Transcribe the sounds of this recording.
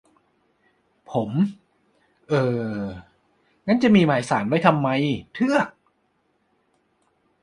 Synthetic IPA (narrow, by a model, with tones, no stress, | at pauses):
pʰo˩˦m | ʔɤː˧ | ŋa˦˥nt͡ɕa˨˩ʔmiː˧maː˩˦jsaː˩˦nwa˦˥˩jt̪ʰa˧mːa˧jt̪ʰɯ˥˩ɐk̚